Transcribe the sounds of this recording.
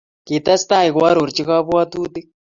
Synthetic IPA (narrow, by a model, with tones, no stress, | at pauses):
ki˨t̪a˦st̪a˦i˨ɣwa˦ɾo˨ɾt͡ʃi˦ɣa˦βwa˦tu˦t̪i˦